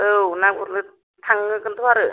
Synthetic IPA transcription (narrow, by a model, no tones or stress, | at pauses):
ɯunakuɾlɯ | t̪ʰaŋɯkɯnt̪ʰuwaɾɯ